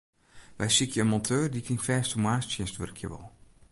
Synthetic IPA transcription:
ʋɛjsikʰjəənmɔntʰøːrdikʰɪŋfɛːstumwaːstsjɛnstʋø̰rkʰjə̰ʋɔ̰lˠ

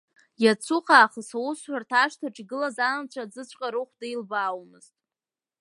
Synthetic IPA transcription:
jat͡sʰuχaːχəsawusħʷᶣartʰaʂtʰaʈ͡ʂʼɡɨlazanant͡ɕʷʰad͡zɨt͡ɕʷʰʼqʼaɾɨχʷdailbaːwmɨz̥tʼ

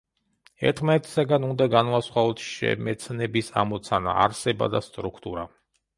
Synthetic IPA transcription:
ɛ̰ɾt̪ʰmaɛt̪ʰi̥saɡanund̪aɡanvasχwavɔt̪ʰʃɛ̰mɛt̪sʰnɛbisa̰mɔt̪sʰana̰a̰ɾsɛba̰d̪ast̪ʼɾukʰt̪ʼuɾa

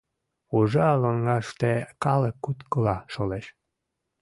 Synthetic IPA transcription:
uʒɑɑləŋːɑʃt̪ekɑləkːut̪kəlɑʃoleʃ

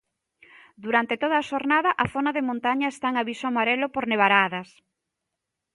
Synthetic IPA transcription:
d̪uɾant̪et̪oðaːʃoɾnaðɐʔɐθonɐðemõnt̪aɲɐest̪aeŋaβisoamaɾelopoɾneβaɾaðɐs

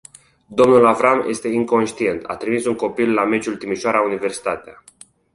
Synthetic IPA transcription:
d̪o̞mnulavɾamjʔe̞st̪e̞iŋko̞nʃt̪ie̞nt̪a̰t̪ɾimisuŋko̞pilːame̞t͡ʃult̪imiʃoaɾaunive̞rsi̥t̪at̪ea̰

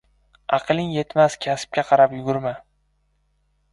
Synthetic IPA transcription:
ɑqɨlˠɪŋje̞t̪maskʲʰasp̚kʲaqʰɑɾapjʊɡʲʊɾma

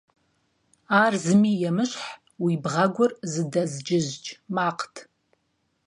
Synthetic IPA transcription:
arzɨmijamɨʃʷħ | wibʁaɡʷʊrzɨdazd͡ʒɪʒd͡ʒʼmaqʰtʰ

